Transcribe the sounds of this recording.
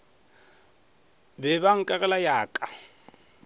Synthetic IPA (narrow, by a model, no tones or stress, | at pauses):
bɛβaŋ̩kʼaɣɛlajaːkʼa